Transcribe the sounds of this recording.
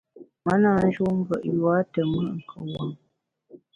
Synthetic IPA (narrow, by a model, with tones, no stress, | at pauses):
mə˦na˨n̩˦ʒo˦m̩˦bə˨ʔjwa˨˦tə˨mə˦˨ʔŋ̩˨kʰə˨wa˨ŋ